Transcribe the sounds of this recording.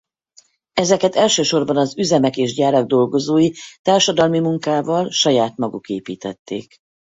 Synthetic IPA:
ɛzɛkɛt̪ɛlʃøːʃo̞rbɒnɒzyzɛmɛkeːʒɟaːɾɒɡ̚d̪o̞lɡozoːjit̪aːrʃɒd̪ɒlmimuŋkaːvɒlʃɒjaːt̪mɒɡukeːpḭːt̪ɛ̰t̪ːḛːk

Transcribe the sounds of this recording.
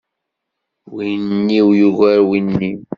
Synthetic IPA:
winnːiwjuɣæɾwinːi

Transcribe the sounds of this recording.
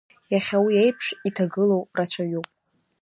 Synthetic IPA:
jaχʲawiejpʰʂitʰaɡɨlowrat͡ɕʷʰaɥupʼ

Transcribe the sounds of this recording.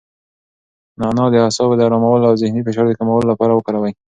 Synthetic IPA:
nɑnɑd̪əasɑbed̪aɾɑmawəlawzɪhnifeʃɑɾd̪əkamawəlolapɑɾawəkaɾawaj

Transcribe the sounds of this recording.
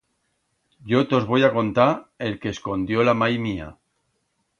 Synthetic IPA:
ɟ͡ʝot̪o̞zβo̞jako̞nt̪aɾe̞lke̞ːsko̞nd̪jolamajmia̰

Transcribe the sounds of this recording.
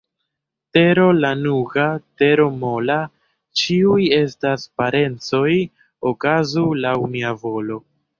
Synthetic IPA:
te̞ɾo̞lanuɡate̞ɾo̞mo̞la | t͡ʃiuje̞staspaɾe̞nt͡so̞j | okazulawniavo̞lo̞

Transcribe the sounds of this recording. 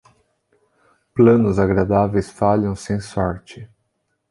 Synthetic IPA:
plɐ̃nʊzaɡɾad̪avejsfaʎɐ̃w̃sẽj̃sɔɾt͡ʃɪ

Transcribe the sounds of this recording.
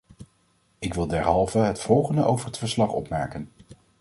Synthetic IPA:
ɪkʋɪlˠdɛɹɦɑlˠvəɦətfɔlˠχəndəʔowvəɹɦətfəɹslɑχɔ̰pmɛ̰ːɹkən

